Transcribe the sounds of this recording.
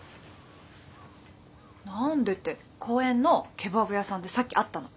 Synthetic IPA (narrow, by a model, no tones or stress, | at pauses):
nãnd̪e̞t̪ːe | kʰo̞ːẽ̞nːo̞kʰe̞babɯ̟jasãnd̪e̞sakʲːiʔat̪ːano̞